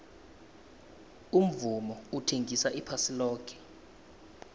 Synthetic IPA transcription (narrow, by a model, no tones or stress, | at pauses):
um̩vumɔutʰeŋɡʱisaʔipʰasilɔːkʰʼɛ̥